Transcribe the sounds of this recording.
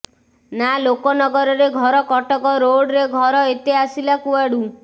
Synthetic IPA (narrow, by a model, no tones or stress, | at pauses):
nalokɔnɔɡɔɾɔɾeɡʱɔɾɔkɔʈɔkɔɾoɽɾeɡʱɔɾɔet̪easilakuaɽu